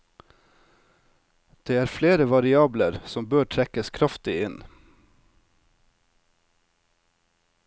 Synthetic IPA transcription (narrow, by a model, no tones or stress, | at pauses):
d̪̥eːæːɾfleːɾəʋɑɾɪɑːbləɾsɔmbøːʈʰɾɛkəskʰɾɑft̪ɪɪn